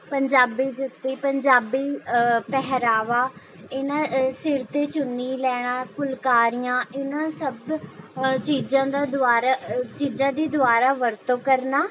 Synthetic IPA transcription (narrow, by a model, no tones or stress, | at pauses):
pəɲd͡ʒaːbiːd͡ʒɪt̪ːiːpəɲd͡ʒaːbiːpɛɦɾaːʋaː | ɪnãːsɪɾt̪eːt͡ʃʊniːlɛːɽ̃aːkʰʊlkaːɾijãːɪnãːsəb | t͡ʃiːzãːd̪aːd̪ʊaːɾaːt͡ʃiːzãːd̪iːd̪ʊaːɾaːʋəɾt̪õːkəɾnaː